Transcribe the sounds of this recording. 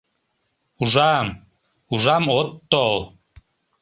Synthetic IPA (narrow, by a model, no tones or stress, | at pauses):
uʒɑm | uʒɑmot̪ːol